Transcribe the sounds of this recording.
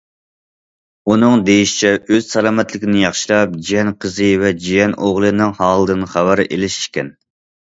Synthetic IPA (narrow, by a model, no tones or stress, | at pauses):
unɨŋd̪ejiʃi̥t͡ʃʰɛʔøz̥sɛlɑːmɛt̪lɪkʲʰɪnɪjɑχʃilˠɑp̚d͡ʒijɛnqʰəzɨvɛd͡ʒijɛnʔoʁlˠɨnɨŋhɑːlˠɨd̪ɨnɨχæwæɾʔelɪʃi̥ʃkʲɛn